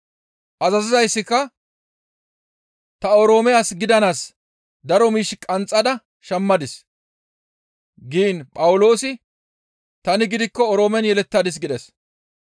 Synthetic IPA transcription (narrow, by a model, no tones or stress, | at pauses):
ʔɐzɐzɪzɐjsːɪkːɐ | t̪ɐɔɾo̞ːmɛjaːsɡɪd̪ɐnaːs | d̪ɐɾɔmiːʃɪkʼɐnt͡sʼːɐd̪ɐ | ʃɐmːɐd̪ɪs | ɡiːnpʼɐwʊlo̞ːsɪ | t̪ɐnɪɡɪd̪ɪkːɔɔɾoːmɛnjɛlɛt̪ːaːd̪ɪs̬ɡɪd̪ɛs